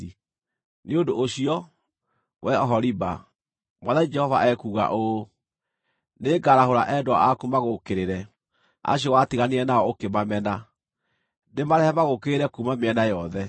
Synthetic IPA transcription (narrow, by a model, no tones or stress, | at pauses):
i | neodoʔoɕiɔ | wʔɛɔɦɔɾiba̰ | maðaid͡ʒɛhɔvaʔɛkuɣa̰ʔo | neːɡaɾaɦoɾa̰ʔɛdoa̰akumaɣokeɾeɾɛ | a̰ɕ̬ɔwatiɣaniɾɛnaɔokemamɛna | ndemaɾɛhɛmaɣokeɾeɾɛkumameɛnajɔðɛ